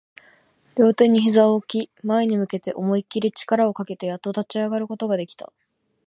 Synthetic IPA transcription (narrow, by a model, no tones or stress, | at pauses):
ɾʲo̞ːt̪e̞ɲ̟ːiçizaokʲimaeɲ̟imɯ̟ke̞t̪e̞ʔo̞mo̞ikʲiɾʲit͡ɕi̥kaɾao̞kake̞t̪e̞jat̪ːot̪at͡ɕiaɡaɾɯ̟ko̞t̪o̞ɡad̪e̞kʲi̥t̪a̰